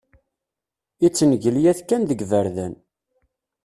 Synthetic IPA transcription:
it͡sːnəʝəljæθkːænðəɡvəɾðæ̰n

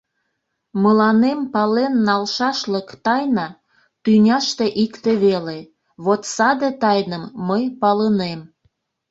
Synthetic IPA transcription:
məlɑnempɑlenːɑlʃɑʃləkt̪ɑjnɑ | t̪ynʲɑʃt̪eʔikt̪eβele | βot̪sɑd̪et̪ɑjnəmːəjpɑlənem

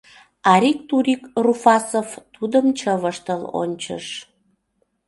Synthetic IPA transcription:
ɑɾʲik̚t̪uɾʲikrufɑsovt̪ud̪əmt͡ɕəβəʃt̪əlo̰nʲt͡ɕə̰ʃ

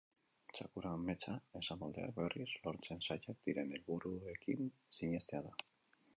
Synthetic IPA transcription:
t͡ʃa̰kuɾame̞t͡sae̞samold̪e̞̰a̰kbe̞rislo̞ɾt͡se̞nsajak̚d̪̥iɾe̞ne̞lβuɾue̞kinsiɲe̞st̪e̞aða

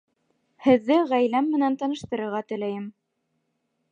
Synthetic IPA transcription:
hɘ̆ðːɘʁæjlæmːɘ̆nænt̪ɑnɤ̆ʃt̪ɤ̆ɾɤ̆ɾʁɑt̪ɵ̆læjɘm

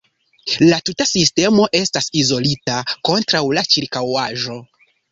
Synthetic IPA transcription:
latutasiste̞mo̞ʔe̞stasizo̞litako̞ntɾawlat͡ʃiɾkawaʒo̞

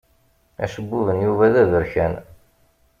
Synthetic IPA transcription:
æ̰ʃəbːuvənjuvæðæðəɾçæn

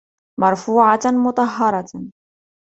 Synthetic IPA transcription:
mɑɾˤfuːʕamʊt̪ˤɑɦːɑɾˤɑ

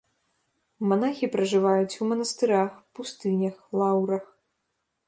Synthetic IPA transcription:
manaxʲipɾɐʐɨvajut͡sʲumɐnɐst̪ɨɾaxpust̪ɨnʲɐxlˠawɾɐx

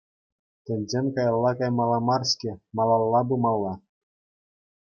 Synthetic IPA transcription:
t̪ʲɘ̆nʲzʲemʲkɑjɑlˠːɑkɑjmɑlˠɑmɑrsʲkʲɘ̆mɑlˠɑlˠːɑbumɑlˠːɑ

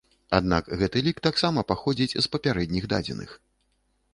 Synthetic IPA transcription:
a̰d̪nakɣɛt̪ɨlʲikt̪aksamɐpaxɔd͡zʲit͡sʲzpɐpʲaɾɛd̪nʲiɣd̪a̰d͡zʲɛ̰nɨ̰x

